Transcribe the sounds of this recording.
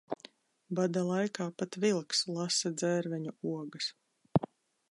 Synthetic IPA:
bad̪alˠajkaːpat̪vilˠkslˠasad̪zɛɾvɛɲuuɔɡas

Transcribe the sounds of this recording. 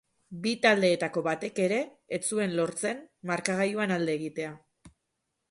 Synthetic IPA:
bit̪ald̪e̞ːt̪ako̞βat̪e̞ke̞ɾe̞ːt͡sue̞nlo̞ɾt͡se̞nmaɾkaɣ̞ajuanald̪e̞ːɣit̪e̞a

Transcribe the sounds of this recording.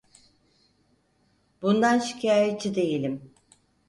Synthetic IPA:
bund̪anʃi̥cʰaːjet͡ʃʰid̪e̞jilʲim

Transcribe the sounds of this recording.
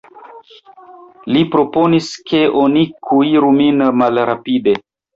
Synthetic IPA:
lipɾo̞po̞niske̞ʔo̞nikʰuiɾuminmalɾapide̞

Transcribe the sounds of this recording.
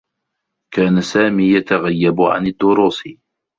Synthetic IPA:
kaːnasaːmiːjat̪aɣajːabʊʕa̰nɪd̪ːʊɾuːs

